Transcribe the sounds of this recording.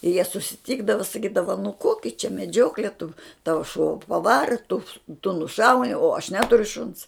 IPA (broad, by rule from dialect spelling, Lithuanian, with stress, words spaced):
ɪ jiɛ sʊsʲɪˈtʲiːɡdɐʋɐ sɐˈkʲiːdɐʋɐ nʊ ˈkoːkʲɪ t͡ʃʲɛ mʲɛˈd͡ʒʲoːklʲɛ tʊ ˈtɑːʋɐ ʃuɔ pɐˈʋɑːrɐ tʊ tʊ nʊˈʃɐʊnʲɪ oː ɐʃ ˈnʲæːtʊrʲʊ ʃʊns